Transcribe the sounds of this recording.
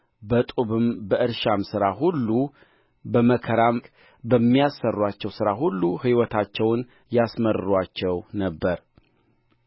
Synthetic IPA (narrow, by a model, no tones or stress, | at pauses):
bət̪ʼuβɨmbəɨɾʃamsɨɾaɦulːu | bəməkʰəɾam | bəmːijasːərːwat͡ʃːɛwsɨɾaɦulːuhɨwɔt̪ʰat͡ʃːɛwn | jasməɾɨɾwat͡ʃːɛwnəbːəɾ